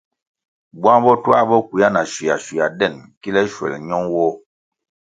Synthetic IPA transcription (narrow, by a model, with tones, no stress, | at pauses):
bwa˦ŋbɔ˦tu˦a˦bɔ˦ki˨ja˦na˨ʃi˨ja̰˨ʃi˨a˨dɛ˦˨nki˦lɛ˦ʃwɛ̰˨lɲɔ˦ŋwɔ˦